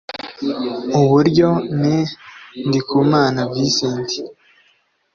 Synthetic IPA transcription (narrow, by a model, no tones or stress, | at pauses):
uβuɾɟo̞nindikumaːnabɡisiːndi